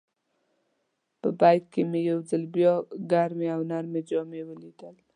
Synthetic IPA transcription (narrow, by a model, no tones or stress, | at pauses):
pəbajd̪̚kemejawzəlbjɔɡaɾmeawnaɾmed͡ʒɔmewəlid̪əl